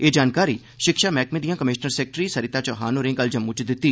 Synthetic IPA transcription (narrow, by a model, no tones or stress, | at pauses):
eːd͡ʒaːnkaːɾiː | ʃɪkʃaːmɛːkmeːd̪ijãːkəmɪʃnəɾseːk̚ʈɾiːsəɾɪt̪aːt͡ʃɔːɦaːnoːɾẽːkəld͡ʒəmːũːt͡ʃd̪ɪt̪ːiː